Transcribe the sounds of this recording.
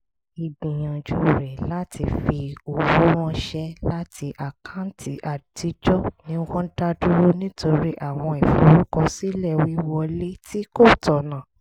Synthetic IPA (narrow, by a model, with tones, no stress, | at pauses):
i˨bĩ˨j̃ã˨d͡ʒu˦ɾɛ˨la˦tʰi˧fi˧o˨wu˦w̃ɔ̃˦ʃɛ˦la˦tʰi˧ʔa˨kʰã˨˦n̩˦tʰi˨˦ʔa˨di˨˦d͡ʒɔ˦nĩ˧˦wɔ̃˦da˦du˦o˦nĩ˦tʰo˧ɾi˦ʔa˦˨w̃ɔ̃˧ɛ˨fo˨˦ɾu˦kɔ˧si˦lɛ˦˨wi˨˦wɔ˧le˦ti˦ko˦˨tɔ˨nã˨